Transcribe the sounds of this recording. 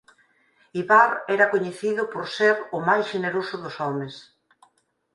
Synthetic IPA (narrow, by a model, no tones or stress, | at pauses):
iβaɾɛɾakoɲeθiðʊpoɾseɾʊmajsʃeneɾosʊðʊsɔmes